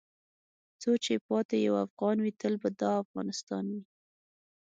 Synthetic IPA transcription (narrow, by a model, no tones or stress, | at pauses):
t͡sot͡ʃepɑt̪ejawafɣɑnwit̪əlbad̪ɑafɣɑ̰nɪst̪ɑnwi